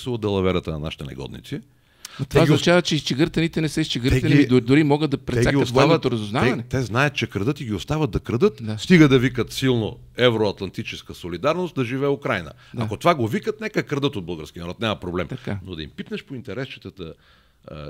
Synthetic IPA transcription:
slˠɐd̪ɛlˠɐvɛɾət̪ənɐ̰na̰ʃi̥t̪ɛnɛ̰ɡɔ̰d̪nḭt̪si | ɐt̪azinɐt͡ʃavɐt͡ʃɛt͡ʃɛɡəɾt̪ɐnit̪ɛnɛsɛist͡ʃɛɡəɾɛnid̪d̪ʊɾimɔɡəd̪d̪ɐpɾɛsaɡiɐsavnot̪oɾɐzʊznavɐnɛt̪ɛznajət̪̚t͡ʃɛkɾɐd̪ɤt̪iɡʲiost̪avəd̪̚d̪ɐkɾɐd̪ɤt̪d̪ast̪iɡəd̪ɐvikət̪silˠno̰ɛvɾoɐt̪lˠɐnt̪it͡ʃɛskəsolid̪aɾnost̪̚d̪ɐʒivɛːukɾajnə̰ | d̪aakot̪ovaɡovikət̪nɛkəkɾɐd̪ɤt̪od̪bəlˠɡəɾskʲiənɐɾɔt̪nʲamɐpɾoblɛmt̪kanod̪ɐḭmpit̪nəʃpoint̪ɛɾɛst͡ʃi̥t̪ət̪ə̰

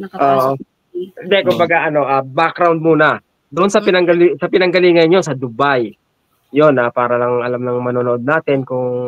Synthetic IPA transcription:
ʔoːʔo | ɪnd̪ɛkʊmbɐɡaʔɐno̞ʔabakɾawnd̪̚muːnɐ | d̪ʊʔonsɐpɪnɐŋɡɐlisɐpɪnɐŋɡɐliːŋɐnɲo̞sɐd̪ʊbaj | jonapaːɾɐlɐŋʔɐlamnɐŋmɐnoːnoʔo̞d̪̚naːt̪ɪnkʊŋ

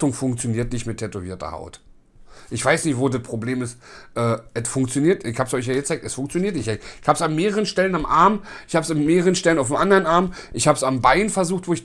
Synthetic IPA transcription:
tʊŋfʊŋkt͡sjoniːɐtnɪçtmɪtʰɛtoviːɐtɐ̰ha̰ʊt | ʔɪçv̥aɪsnɪçtv̥oːdat̚pʁ̥obleːmɪstʔɛːɛtfʊŋk̚t͡sjoniːɐtɪçhaːpsɔʏçjaːjɛt͡saɪk̚tɛsfʊŋkt͡sjoniːɐtnɪçaɪ̥çhaːbpsanmeːʁəʁənʃtɛlənamʔaɐmʔɪçhaːbsanmeːʁəʁənʃtɛlənaʊfmʔandɐʁənaɐmʔɪçhaːbsambaɪnfɛɐzuːxtv̥oːɪç

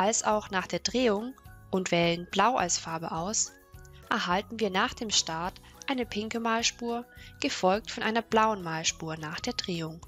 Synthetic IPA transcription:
ʔalsʔaʊxnaːχd̥eːɐd̥ʁeːʊŋʔʊntv̥ɛːlənb̥laʊʔa̰lsfaɐbə̰ʔaʊs | ʔɛɐɦaltn̩viːɐnaːχd̥eːmʃtaɐt | ʔaɪnəpʰɪŋkəmaːlʃpuːɐɡ̥əfɔlk̚tfɔnʔaɪnɐblaʊənmaːlʃpuːɐnaːχd̥eːɐdʁeːʊŋ

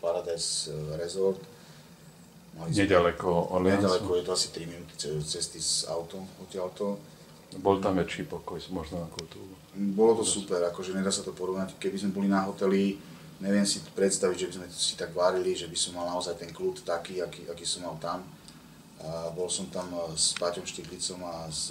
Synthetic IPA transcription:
paɾad̪ajsɾɛzɔɾt̪ | maliɲɛɟalɛkɔɲɛɟalɛkɔjɛt̪ɔasi̥t̪ɾiminut̪i̥ɛt͡sɛst̪iza̰ʊt̪ɔɔcɪalt̪ɔ | bɔlt̪amʋɛt͡ʃiːpɔkɔjmɔʒnɔakɔʊt̪uu | bɔlɔt̪ɔsupɛɾakɔʒɛɲɛd̪aːsat̪ɔpɔɾɔʋnackɛbizmɛbɔlinaɦɔt̪ɛli | ɲɛʋɪɛmsipɾɛt̪st̪aʋiɟʒɛbizmɛsi̥t̪aɡʋaɾiliʒɛbisɔmːalnaɔzajt̪ɛŋkluːt̪t̪akiːakiːʔakiːsɔmːalt̪am | abɔlsɔmt̪amspacɔmʃciklit͡sɔmas

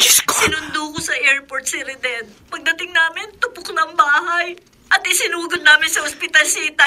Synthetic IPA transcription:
sɪnʊnd̪okosɐʔɛɹpoɹt̪̚sɪɾɪd̪ɛd̪̚pɐɡ̚d̪ɐt̪ɪŋnaːmɪnt̪ʊpʊk̚nɐŋbaːɦaj | ʔɐt̪ʔɪsɪnuːɡʊd̪̚naːmɪnsɐhospɪt̪ɐlsiːt̪ɐ

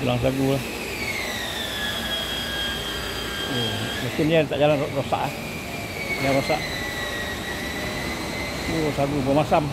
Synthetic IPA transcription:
ulaŋsaɡulah | mikɪniat̪aʔd͡ʒalanrosa̰ʔah | jaɾosa̰ʔ | usaɡubamasam

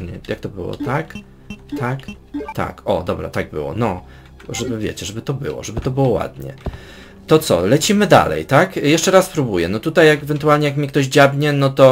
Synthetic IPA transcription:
ɲɛ̰jak̚t̪ɔbɘwɔ̰t̪ak | t̪ʰak | t̪a̰kɔd̪ɔbɾa̰t̪aɡ̚bɘ̰wɔ̰nɔ | ʐɛbɘvʲjḛt͡ɕɛʐɛbɘt̪ɔbɘ̰wɔ̰ʐɛbɘt̪ɔbɘwɔwa̰d̪̚ɲɛ̰ | t̪ɔt̪sɔ̰lɛt͡ɕimɘd̪a̰lɛ̰jt̪akjɛʂt͡ʂɛɾaspɾubujɛnɔt̪ut̪ajːakɛvɛnt̪ualɲɛjakmʲikt̪ɔʑd͡ʑabɲɛnɔt̪ɔ

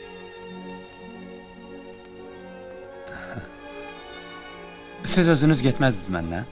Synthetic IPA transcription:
sɪzøzɪnɪzɡʲet̪masɪzmæ̰nːæ

